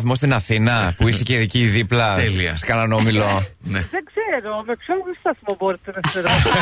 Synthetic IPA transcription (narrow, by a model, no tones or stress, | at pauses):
θmost̪inɐθinɐpuiseceðiciːðiplɐeliɐ̰skɐnɐno̞milo̞neðeɡzeɾomepçolðest̪ɐsimoboɾit̪enɐeɾo